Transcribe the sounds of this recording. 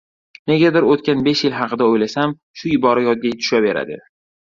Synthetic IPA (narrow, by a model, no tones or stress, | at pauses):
ne̞ɡʲad̪ɪɾot̪̚kʲanbe̞ʃjɪlɦɑqʰɨd̪aojlasam | ʃʊɪbɒɾajɒd̪̚ɡʲajt̪ʰʊ̥ʃabe̞ɾa̰d̪ɪ̰